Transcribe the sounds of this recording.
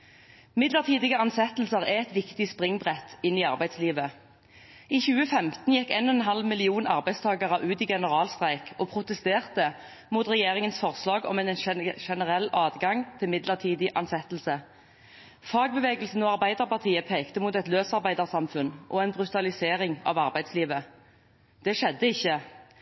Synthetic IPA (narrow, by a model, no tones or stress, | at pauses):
mɪd̪ləʁt̪ʰiːd̪ɪɡəɑnsɛt̪l̩səʁæɛt̪ʋɪkt̪ɪspʁɪŋbʁɛt̪ːɪniːɑʁbæɪd̪sliːʋə | iːçʉːəfɛmt̪n̩jɛkːeːnɔɛnɦɑlmɪlɪuːnɑ̰ʁbæɪst̪ʰɑːɡɑʁəʔʉːt̪iːɡɛnəʁɑːlst̪ʁæɪkʰoːpʰʁʊt̪ɛst̪eːʁt̪ə | muːt̪ʁɛjeːʁɪŋənsfɔʁslɑːɡɔ̰mɛnnʃɛnəʁɛlːɑːd̪ɡɑŋt̪ʰɪlmɪd̪ləʁt̪ʰiːd̪ɪʔɑnsɛt̪l̩sə | fɑːɡ̚bəʋeːɡəlsn̩ɔːɑʁbæɪd̪əʁpɑʁt̪ʰiːəpʰeːkt̪əmuːt̪ɛt̪løːsɑʁbæɪd̪əʁsɑmfʉnʔɔɛnbʁʉt̪ɑlɪseːʁɪŋɑ̰ːʋɑʁbæɪsliːʋə | d̪̥ɛʂɛd̪ːəɪçːə